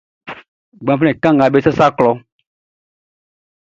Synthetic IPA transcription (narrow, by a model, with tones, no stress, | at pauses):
ɡ͡bã˨fɛ̃˨kã˦ŋ˨ɡa˨be˦sa˦sa˦klɔ˨˦